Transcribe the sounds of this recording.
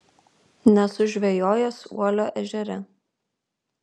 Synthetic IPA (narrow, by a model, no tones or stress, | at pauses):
nʲɛsʊʒʲʋʲɛjoːjosṵɔlʲoːʔɛʒʲɛɾʲɛ